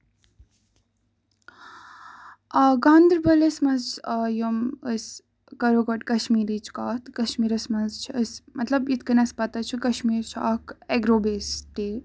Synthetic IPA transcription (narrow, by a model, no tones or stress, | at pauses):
ɡãːnd̪ɾbɐlɐsmɐnzjoməs | kɐɾoɡɐʈkɐʃmiːɾiːt͡ʃʰkaːt̪kɐʃmiːɾɐsmɐnzt͡ʃʰəsmɐt̪lɐbjit̪ʰkənɐspɐt̪at͡ʃʰikɐʃmiːɾsʰa̰ːkeɡɾoːbeːst̪eː